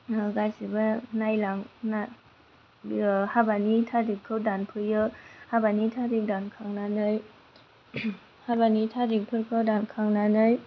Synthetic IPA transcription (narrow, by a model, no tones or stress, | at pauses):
ɡajsɯbɯnajlaŋna | habanitʰadikʰːɯwdanpʰɯjɯhabanitʰadik̚dankʰaŋnanɯj | habanitʰadik̚pʰɯɾkʰɯwdankʰaŋnanɯj